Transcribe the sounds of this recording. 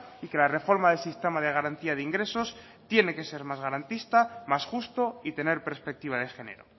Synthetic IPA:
ike̞lare̞fo̞ɾmaðe̞lsist̪e̞maðe̞ɣ̞aɾant̪iað̞eiŋɡɾe̞so̞s | t̪je̞ne̞ke̞se̞ɾmazɣaɾant̪ist̪amasxust̪o̞it̪e̞neɾpe̞ɾspe̞k̚t̪iβ̞að̞e̞xe̞nḛɾo̰

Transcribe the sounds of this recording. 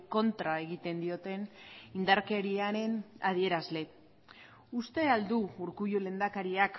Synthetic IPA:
ko̞nt̪ɾae̞ɣ̞it̪e̞nd̪io̞t̪e̞nind̪aɾke̞ɾiaɾe̞nað̞ie̞ɾazle̞ | ust̪e̞ald̪uuɾkujole̞ːnd̪akaɾiak

